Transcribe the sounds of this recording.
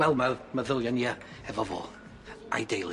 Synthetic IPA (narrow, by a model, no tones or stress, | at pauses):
ɛlˠmaməðɪlˠjania | hɛvɔvo̰ː | ʔa̰jdejlˠɪ